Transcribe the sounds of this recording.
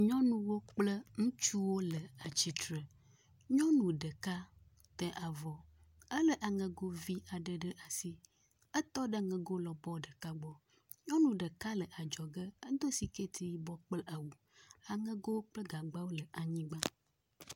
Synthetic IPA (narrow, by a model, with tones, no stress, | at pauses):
ɲɔ̃˦nũ˦wo˦k͡plə˦ŋũ˦t͡ʃu˦wo˦lə˨a˨t͡ɕi˨t̪ɾə˨ | ɲɔ̃˦nũ˨ɖə˨ka˦ | t̪ɛ˨ʔa˨vɔ˨ | ə˦lə˦ʔa˨ŋə̃˨ɡo˦vi˦a˨ɖə˨ɖə˦ʔa˨si˦ | ə˦t̪ɔ˦ɖə˦˨ŋə̃˨ɡo˦lɔ˨bɔ˦ɖə˨ka˦ɡ͡bɔ˦ | ɲɔ̃˦nũ˨ɖə˨ka˦lə˨ʔa˨d͡ʒɔ˨ɡə˦ə˦d̪o˦si˨ke˦t̪ʰi˦ji˦bɔ˦k͡plə˦ʔa˨wu˨ | a˨ŋə̃˦ɡo˦wo˦k͡plə˦ɡa˨ɡ͡ba˦wo˦lə˨ʔa˨ɲĩ˦ɡ͡ba˦